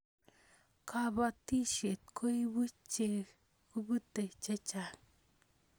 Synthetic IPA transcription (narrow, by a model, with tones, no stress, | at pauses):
ka˦ba˦t̪i˦ʃe˨t̪kʰo˦jbɨ˦t͡ʃːe˦ | ku˦bɨ˦t̪e˨t͡ʃe˦t͡ʃa˨